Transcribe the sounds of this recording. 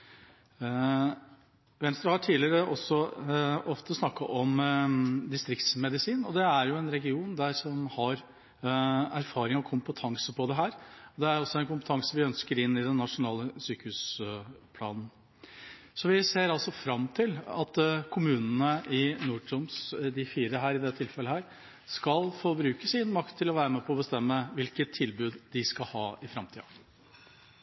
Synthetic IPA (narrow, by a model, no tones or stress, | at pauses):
ʋɛnst̪ɾəhɑʈʰiːlɪɾəʔɔsːɔʔɔft̪əsnɑkːɑʔɔm | d̪ɪst̪ɾɪkt̪smɛd̪ɪsiːnɔd̪ɛæɾjʊɛnɾɛɡɪuːnd̪æɾʂɔmhɑɾ | æɾfɑːɾɪŋɔkʰʊmpət̪ʰɑŋsəpʰɔd̪ɛɦæːɾɔd̪ɛæɾɔsːɔɛnkʊmpət̪ʰɑŋsəʋɪœnskəɾɪnːɪd̪ɛnːɑʂʊnɑːləsyːkəhʉːspʰlɑːnn | sɔʋɪseːɾɑlsɔfɾɑmt̪ʰɪlɑ̰t̪kʰʊmʉːnənəʔɪnuːʈʰʊmsd̪ɪfiːɾəɦæːɾɪd̪ɛt̪ʰɪlfɛləhæːɾ | skɑlfoːbɾʉːkəsɪnmɑkt̪ʰːɪlɔʋæːɾəmɛpʰɔɔbəst̪ɛmːəʋɪlkət̪ʰːɪlbʉːd̪d̪ɪskɑhɑːɪfɾɑmt̪ʰiːɑ̰